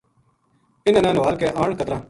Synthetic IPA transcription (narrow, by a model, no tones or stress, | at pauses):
pɪnãːnãːnʋaːlkeːʔaːɳ̃kət̪ɾãː